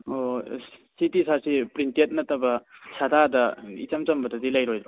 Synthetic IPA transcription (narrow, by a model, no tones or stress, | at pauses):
ositisasipɾintiet̚nɐtɐbɐsadʱadɐḭt͡ʃɐmt͡ʃɐmbɐtɐdilajɾojdɾo